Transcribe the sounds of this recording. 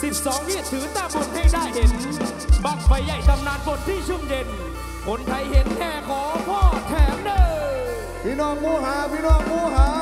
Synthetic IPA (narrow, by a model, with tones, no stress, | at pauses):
si˨˧˩t̚sɔ˨˦ŋhi˧˩ət̚t̪ʰɨː˨˦t̪aː˧˩fo˨˧˩nha˧˩jɗaː˧˩jhe˨˦n | ɓa˨˩k̚fa˨˦jza˧˩jt̪a˧˩mnaː˨˥nfo˧˩nt̪ʰi˧˩t͡ɕu˧˩ŋ͡mze˧n | ko˨˦nt̪ʰa˨˦jhi˨˦ənhɛː˧˩xɔː˨˦fʰɔː˧˩t̪ʰɛː˨˦mɗəː˧˩ | pʰi˨˧˦nɔː˧˩ŋmu˧˨ɦaː˨˦pi˧˥nɔ˧˩ŋmu˧˩ɦaː˨˦